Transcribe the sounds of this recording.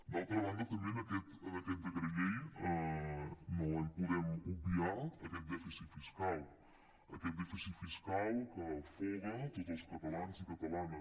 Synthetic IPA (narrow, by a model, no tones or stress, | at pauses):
d̪alˠt̪ɾəβand̪ət̪əmbenəkɛt̪ənəkɛt̪̚d̪əɣɾəʎejə | noənpuðɛmubiaəkɛt̪̚d̪ɛfisifiskalˠ | əkɛt̪̚d̪ɛfisifiskalˠkəfɔɣət̪ot̪zəlˠskət̪əlanzikət̪əlanə